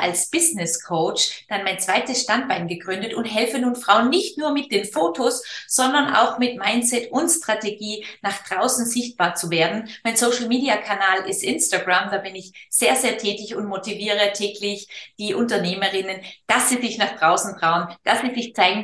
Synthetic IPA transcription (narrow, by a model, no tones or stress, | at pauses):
ʔa̰lsb̥ɪznɪskʰoʊt͡ʃd̥anmaɪnt͡sv̥aɪtəsʃtant̚b̥aɪnɡəɡʁʏndətʊntɦɛlfənuːnfʁ̥aʊənːɪçtnuːɐmɪt̚d̥eːnfoːtʰosz̥ɔndɐnʔa̰ʊxmɪtmaɪnt͡sɛtʊntstʁ̥ateɡiːnaχd̥ʁaʊsn̩zɪçt̚b̥aːɐt͡suveːɐdn̩maɪnsoʊʃl̩miːdiakʰanaːlʔɪstʔɪnstaɡʁamd̥aːbɪnɪçz̥eːɐzeːɐtʰɛːtɪçʊntmotiviːʁ̞ətʰɛːkʰlɪçd̥iːʔʊntɐneːməʁɪnənd̥asz̥izɪçnaːχd̥ʁaʊsn̩tʁ̥aʊənd̥asz̥izɪçt͡saɪɡŋ̩